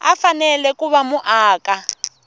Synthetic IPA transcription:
a̰fanɛlɛkuβamuʔaːka

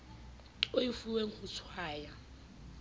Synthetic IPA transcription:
oifuweŋ̩χʊt͡sʰwaːja

